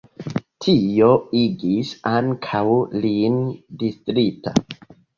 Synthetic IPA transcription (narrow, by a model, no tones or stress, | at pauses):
tʰioiɡisaŋkʰawlindistɾita̰